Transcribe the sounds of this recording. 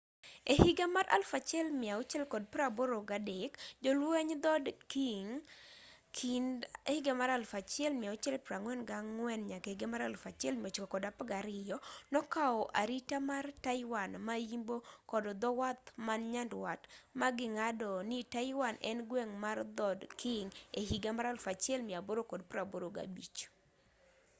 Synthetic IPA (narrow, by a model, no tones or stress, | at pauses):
ehiɡamaɾʔa̰lfat͡ʃɛlmɪaot͡ʃɛlkɔd̚pɾaboɾoɡadekd͡ʒɔlweɲd̪ɔdkiŋ | kʰindehɪɡamaɾalfat͡ʃɛlmɪaot͡ʃɛlpɾaŋwɛnɡaŋwɛnɲakeiɡemaɾalfat͡ʃjɛlmiot͡ʃkokɔdapɡaɾɪjɔnɔkaɔʔaɾitamartaɪwanmaimbokɔdɔd̪ɔwat̪manɲandwatmaɡɪŋadɔnitaɪwanʔɛ̰nɡwɛŋmard̪ɔdkʰiŋehiɡamaɾalfat͡ʃjɛlmaboɾokɔdpɾaboɾoɡa̰bit͡ʃ